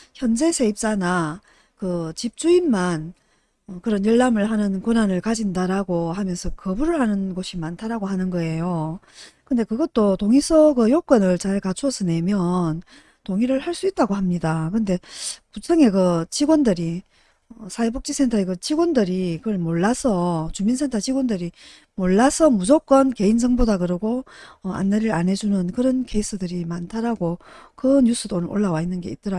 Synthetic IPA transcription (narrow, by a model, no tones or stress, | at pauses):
çjʌnd͡ʑe̞sʰe̞ip̚t͡ɕ͈ana | kɯt͡ɕip̚t͡ɕ͈uinman | ʌkɯɾʌnjɯɭːamɯɭɦanɯnkonanɯɭkad͡ʑindaɾaɡohamjʌnsʰʌkʌbuɾɯɭhanɯnɡʌɕʰimantʰaɾaɡoɦanɯnɡʌe̞jo | kɯnde̞kɯɡʌt̚t͈otoŋisʰʌɡɯjok͈ʌnɯɭt͡ɕaɭkat͡ɕʰuosʰʌne̞mjʌn | toŋiɾɯɭhaɭs͈uit̚t͈aɡoɦamɲidakɯnde̞put͡ɕʰʌŋe̞kɯt͡ɕiɡwʌndɯɾi | ʌsʰaebok̚t͡ɕ͈isʰe̞ntʰaeɡɯt͡ɕiɡʌndɯɾikɯɡʌɭmoɭːasʰʌt͡ɕuminsʰe̞ntʰat͡ɕiɡwondɯɾi | moɭːasʰʌmud͡ʑok͈ʌnke̞ind͡ʑʌŋbodaɡɯɾɯɡoʌa̰nːeɾɯɾane̞d͡ʑunɯnkɯɾʌnke̞is͈ʰɯdɯɾimantʰaɾaɡokɯɲus͈ʰɯdonɯʔo̰ɭːawainːɯnɡe̞it͈̚ʌɾa